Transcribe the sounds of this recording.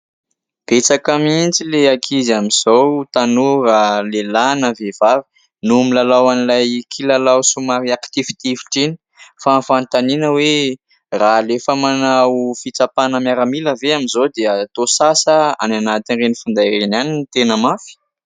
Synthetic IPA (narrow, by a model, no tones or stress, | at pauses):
b̥et͡sakamint͡sileakʰizamiz̥owt̪anuralelanavev̥avi̥ | numilalawanilajkʰilalawsumaɾiakt̪ivi̥t̪ivi̥ʈ͡ʂini̥ | fafant̪aninəwe | ralefəmanawfit͡sapanəmjaɾamiləveamizod̪eat̪osasəa̰nanat̪inrenifund̪ajɾenaninit̪enəmafi̥